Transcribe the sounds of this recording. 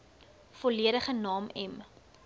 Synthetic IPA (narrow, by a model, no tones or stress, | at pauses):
fɔliəɾəχənɑːmɛm